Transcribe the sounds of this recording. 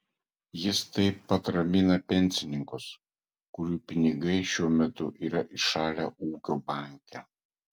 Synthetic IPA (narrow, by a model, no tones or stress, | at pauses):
jɪst̪ɐɪpːɐt̪ɾɐmʲɪnɐpʲɛnʲsʲɪnʲɪŋkʊs | kʊɾʲuːpʲɪnʲɪɡɐɪʃʲuɔmʲɛt̪ʊ̰ʔiːɾɐʔɪʃɑːlʲæ̰ːʔuːkʲoːbɑˑŋʲkʲɛ